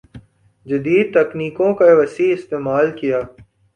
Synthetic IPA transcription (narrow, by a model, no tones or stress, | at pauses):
d͡ʒɐd̪iːd̪̚t̪ɐkniːkõːkaʋɐsiːɪst̪eːmaːlkijaː